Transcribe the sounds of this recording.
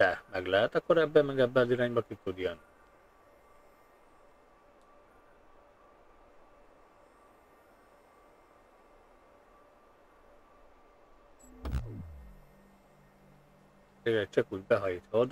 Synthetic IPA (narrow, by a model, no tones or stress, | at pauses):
ɛmɛɡlɛɦɛt̪ɒkːoɾɛbːɛmɛɡɛbːɛɒziɾaːɲbɒkik̪ud̪ijɒn | eɡɛct͡ʃɒkuːɟbɛɦɒjit̪hod̪